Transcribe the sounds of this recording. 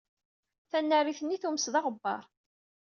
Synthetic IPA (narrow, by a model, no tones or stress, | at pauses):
θænːæriθənːiθuməsðɑʁəbːɑ̰ɾˤ